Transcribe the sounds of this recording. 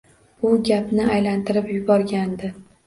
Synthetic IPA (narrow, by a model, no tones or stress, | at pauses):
ʊɡʲapnɪajlant̪ʰɪɾɪpjʊbɒɾɡʲand̪ɪ